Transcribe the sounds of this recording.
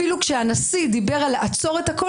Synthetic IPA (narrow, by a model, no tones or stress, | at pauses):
ilukʃeanasid̪ibe̞ʁaleʔat͡so̞ʁet̪hako